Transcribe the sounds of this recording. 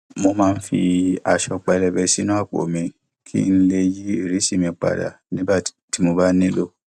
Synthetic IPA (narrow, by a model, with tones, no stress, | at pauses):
mo˧mãː˦n̩˦fi˧a˧ʃɔ˧k͡pɛ˧lɛ˧bɛ˧si˦nũ˦a˦˨k͡po̰˨mĩ˧ | kʰḭ˦n̩˦le˧ji˦e˦˨ɾi˨˦si˦˨mĩ˧k͡pa̰˨da̰˨ | nĩ˦bḁ˦˨ti˨˦mo˧ba˦nĩ˦lo˦˨